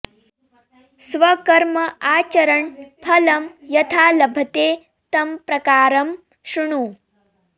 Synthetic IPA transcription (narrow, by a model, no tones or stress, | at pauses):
sʋɐkɐɾmɐaːt͡ʃɐɾɐɳpʰɐlɐmjɐt̪ʰaːlɐbʱɐt̪eː | t̪ɐmpɾɐkaːɾɐm | ʃuɳuː